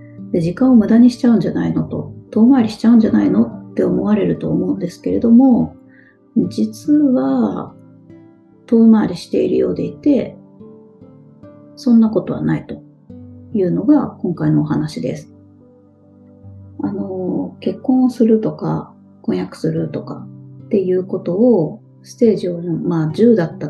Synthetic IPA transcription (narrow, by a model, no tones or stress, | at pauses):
d̪e̞d͡ʑikãɰ̃o̞mɯ̟d̪aɲ̟iɕi̥t͡ɕaɯ̟̃ɲ̟d͡ʑanaino̞t̪o̞̰t̪o̞ːmaːɾʲiɕi̥t͡ɕaɯ̟̃ɲ̟d͡ʑanaino̞t̪ːe̞o̞mo̞βaɾe̞ɾɯ̟t̪o̞ːmo̞ɯ̟̃nd̪e̞sɨ̥ke̞ɾe̞d̪o̞mo̞ | d͡ʑit͡sɨβa | t̪o̞ːmaːɾʲiɕi̥t̪e̞iɾɯ̟jo̞̰ːd̪e̞it̪e̞ | sõ̞nːako̞t̪o̞β̞a̰nait̪o̞̥ | jɯ̟ːno̞ɡakõ̞ŋkaino̞ːɦanaɕid̪e̞̰sɨ̥ | ano̞ke̞kːõɰ̃sɨɾɯ̟t̪o̞ka̰ | kõ̞ɰ̃jakɯ̟̥sɨɾɯ̟t̪o̞ka̰t̪ːe̞jɯ̟ːko̞t̪o̞ː | sɨ̥t̪e̞ːʑiõmaːd͡ʑɨːd̪at̪ːa